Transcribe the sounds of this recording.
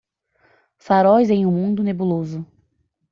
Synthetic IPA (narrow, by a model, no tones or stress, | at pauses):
faɾɔjzẽj̃ũmũnd̪ʊnebulozʊ